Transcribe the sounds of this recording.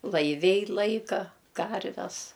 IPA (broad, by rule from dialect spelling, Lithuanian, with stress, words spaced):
lˠɐɪˈʋʲɛɪ ˈlˠɐɪkɐ ˈkɐrʲʋʲɛs